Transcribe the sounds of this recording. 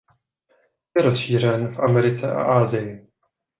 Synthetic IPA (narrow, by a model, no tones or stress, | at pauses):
jɛɾosʃiːr̝ɛnfʔamɛɾɪt͡sɛʔa̰ʔaːzɪjɪ